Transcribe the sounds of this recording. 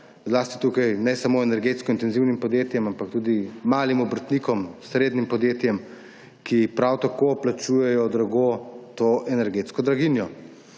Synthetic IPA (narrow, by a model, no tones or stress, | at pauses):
zlaːst̪i̥t̪uːkajnɛsamoːɛnɛɾɡeːt̪skɔint̪ɛnziwnimpɔd̪jeːt̪jɛmampakt̪uːd̪imaːlimɔbəɾt̪nikɔmsɾeːd̪nimpɔd̪jeːt̪jɛm | kipɾawt̪akoplat͡ʃuːjɛjɔd̪ɾaɡot̪oʔɛnɛɾɡeːt̪skɔd̪ɾaɡinjɔ